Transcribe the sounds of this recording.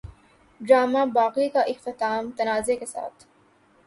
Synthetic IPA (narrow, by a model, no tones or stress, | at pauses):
ɖɾaːmaːbaːqiːkaʔɪxt̪ɪt̪aːmt̪ɐnaːzekesa̰ːt̪ʰ